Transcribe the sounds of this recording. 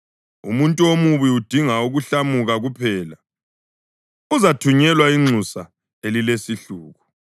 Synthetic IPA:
ṵmuntʼuomuβiud̥ʱiŋauɣuɬamuɣaɣupʰɛːla | uzatʰuɲɛlwaiŋ͡ǀʱusa | elilesiɬuːɣu

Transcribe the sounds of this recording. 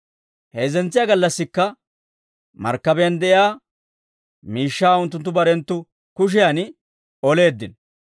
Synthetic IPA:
heːzɛnt͡sːɪjaːɡɐlːɐsːɪkːɐ | mɐ̰ɾkːɐbɛjɐnd̪ɛʔɪjaː | miːʃːaːʊnt̪ːʊnt̪ːʊbɐɾɛnt̪ːʊ | kʊʃ̬ɪjan | ɔle̞ːd̪ːɪn

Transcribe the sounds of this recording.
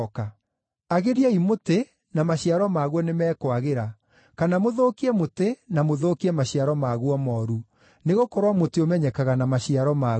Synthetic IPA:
ka | aɣeɾiaimote | namaɕiaɾɔmaɣwɔnemɛːkwaɣeɾa | kanamoðoːkiɛmotenamoðoːkiɛmaɕiaɾɔmaɣwɔmɔɾu | neɣokoɾwamoteomɛɲɛkaɣanamaɕiaɾɔma

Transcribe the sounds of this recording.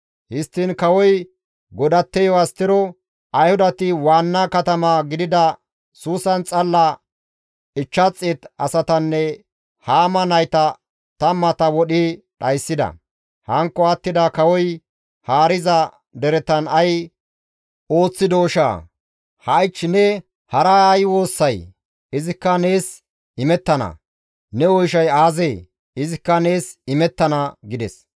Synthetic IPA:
hɪst̪ːɪnkɐwɔj | ɡɔd̪ɐt̪ːɛjɔwɐst̪ɪɾɔ | ɐjhʊd̪ɐt̪ɪwaːnːakɐt̪ɐmaɡɪd̪ɪd̪ɐ | suːsɐnt͡sʼɐlːɐ | ɪt͡ʃːɐt͡sʼːɪt̪ɐsɐt̪ɐnːɛ | haːmɐnɐjt̪ɐ | t̪ɐmːɐt̪ɐwɔɗi | ɗɐjsːɪd̪ɐ̰ | hɐŋkːɔɐt̪ːɪd̪ɐkɐwɔj | haːɾɪzɐ | d̪ɛɾɛt̪ɐnɐj | o̞ːt͡sːɪd̪oːʃa̰ː | hɐjt͡ʃːnɛ | hɐɾɐjwo̞ːsːɐj | ɪzɪkːɐne̞ːs | ɪmɛt̪ːɐnɐ̰ | nɛwɔjʃɐjaːzeː | ɪzɪkːɐne̞ːsɪmɛt̪ːɐnɐɡɪd̪ɛs

